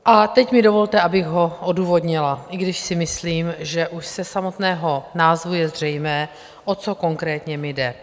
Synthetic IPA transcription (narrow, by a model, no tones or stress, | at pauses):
ʔat̪ɛcmɪdo̞vo̞lt̪ɛʔabɪɣɦo̞ʔoduːvo̞dɲɪlaʔɪɡdɪʃsɪmɪsliːmʒɛʔuʃsɛsamo̞t̪nɛːɦo̞naːzvujɛzr̝ɛjmɛː | ʔo̞t͡so̞ko̞ŋkɾɛːt̪ɲɛmɪdɛ